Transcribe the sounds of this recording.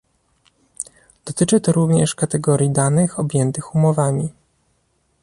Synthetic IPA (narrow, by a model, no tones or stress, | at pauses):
d̪̥ɔt̪ɘt͡ʂɘt̪ɔɾuvɲɛʂkat̪ɛɡɔɾʲjid̪anɘxɔbʲjɛnt̪ɘxumɔvamʲi